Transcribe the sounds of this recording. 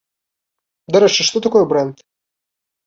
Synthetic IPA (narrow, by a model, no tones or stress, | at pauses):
d̪ɐɾɛt͡ʃɛʃt̪ɔt̪ɐkɔjɛbɾɛnt̪